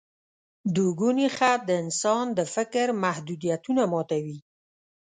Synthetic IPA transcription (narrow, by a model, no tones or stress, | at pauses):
d̪uɡunixad̪əɪnsɑnd̪əfɪkɾmahd̪ud̪ijat̪unamɑt̪awi